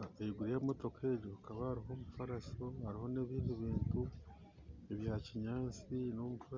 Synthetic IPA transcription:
eiɡuɾijamo̞to̞kʰeɟokaβahaɾiɦo̞ːmufaɾasohaɾiho̞ne̞ːβiːiβiːntu | eβjaːciɲaːnt͡sino̞mufa

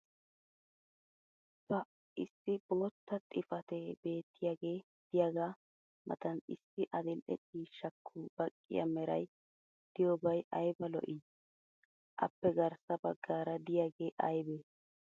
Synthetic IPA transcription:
bɐ | ɪsːɪb̥oːt̪ːɐt̪ʼɪfɐt̪ɛbe̞ːt̪ːɪjaːɡe̞ː | d̪̥ɪjaːɡaː | mʔɐ̰t̪ɐnɪ̰sːɪʔɐd̪ɪlʔɛ̰t͡ʃʼiːʃːɐkʰːʊbɐkʼːɪ̰jɐ̰mɛɾɐ̰j | d̪̥ɪjobɐjɐjbɐlɔ̰ʔi | ʔɐ̰pːɛɡɐɾsɐbɐɡːaːɾɐd̪ɪjaːɡe̞ːʔɐjbeː

